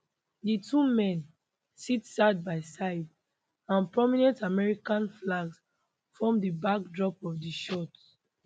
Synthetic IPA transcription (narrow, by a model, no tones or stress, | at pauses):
ditʰumɛ̃n | sitsad̚baɪsaɪd | ãnpɹɔminɛ̃ntamɛɹikãnflaɡs | fɔmdibak̚dɹɔpɔvdiʃɔt